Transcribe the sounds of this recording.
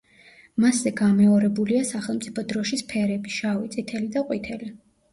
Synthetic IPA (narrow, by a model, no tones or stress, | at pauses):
maszɛɡamɛɔɾɛbuliasaχɛlˠmt̪sʼipʰɔd̪ɾɔʃispʰɛɾɛbiʃawit̪sʼit̪ʰɛlid̪aqʼwit̪ʰɛli